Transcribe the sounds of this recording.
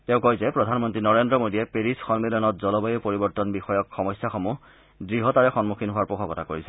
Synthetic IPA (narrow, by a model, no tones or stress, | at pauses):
tɛ̃ʊ̃kojzɛpɹɔdʱanmɔntɹinɔɹendɹɔmodijɛpeɹisxɔnmilɔnɔt̚zɔlɔbajopoɹibɔɹtɔnbixɔjɔkxɔmɔjsjaxɔmu | dɹiɦɔtaɹɛxɔnmukʰinɦʊwaɹpɔxʰɔɡɔtakoɹisɛ